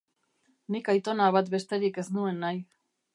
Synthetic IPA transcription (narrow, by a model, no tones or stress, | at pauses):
nikajt̪o̞naβat̪be̞st̪e̞ɾike̞znue̞nːaj